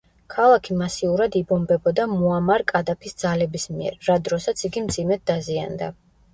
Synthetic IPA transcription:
kʰalˠakʰimasiuɾad̪ibɔmbɛbɔd̪amuamaɾkʼad̪apʰisd̪zalɛbismiɛ̰ɾːad̪ɾɔsat̪sʰiɡimd̪zimɛt̪̚d̪azia̰nd̪a̰

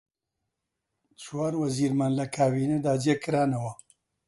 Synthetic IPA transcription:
t͡ʃwaːɾwɐziːɾmanlɐkʰaːbiːned̪aːd͡ʒeːkɨɾaːnɐwɐ

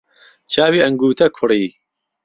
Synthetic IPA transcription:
t͡ʃʰaːwiːʔɐŋɡuːt̪ʰɐkʰʊɾiː

